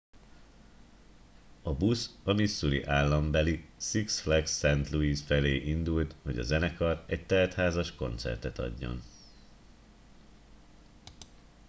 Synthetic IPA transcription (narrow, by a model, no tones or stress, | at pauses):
ɒbusɒmisːuɾḭʔaːlːɒmbɛlisiksflɛksːɛnt̪luiːsfɛleːʔind̪ult̪ho̞ɟɒ̰zɛnɛkɒrɛɟ̚t̪ɛlt̪haːzɒʃko̞nt̪sɛ̰rt̪ɛt̪ɒ̰ɟːo̰n